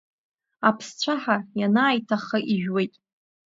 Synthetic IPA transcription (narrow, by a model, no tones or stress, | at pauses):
apʰst͡ɕʷʰaħajanaːjtʰaχəʔiʒᶣwe̞jtʼ